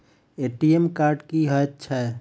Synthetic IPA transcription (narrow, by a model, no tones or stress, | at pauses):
eʈiemkaɾɖkiɦət̪t͡ʃʰɛ